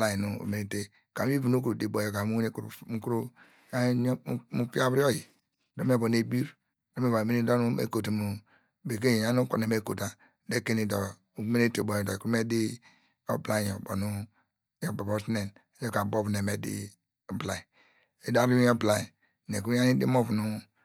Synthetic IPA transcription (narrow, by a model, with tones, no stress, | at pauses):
la˦ji˨nṵ˨me˨ni˦te˦ | ka˨˦i˦vu˨nu˦kuɾu˨di˨bo˨jo˦ka˨˦u˦ne˦k̩˦˨˦ku˦ɾu˦ | a˦mu˦pi˦a˦bɾi˦ɔ˦ji˨ | do˦m˦e˦˨bo˨ne˨bi˦ɾ | do˦m˦e˦ba˨me˦ni˦do˦nu˦ḛ˦ko˨te˨mu˨ | be˨k̬e˦˨ja˦nu˦ka̰˨ne˨me˦˨ko˨ta˨ | de˦ke˦ni˨dɔ˨ | u˦me˦ne˦te˨bo˨jdɔ˨ku˦ɾu˦me˦di˦ | o̰˦bla˦˨jo˨bo̰˨nu˦ | jo˨ba˨bɔ˦si˦ne˨n˨˦ | jo˦ka˨bo˦vu˨ne˨me˨dḭ˦˨ | bla˨i˨ | e˨da˦ɾu˦ɔ˦bla˨i˨ | ne˨k̬u˦a˦ni˦dḭ˦mo˦vu˨nu˦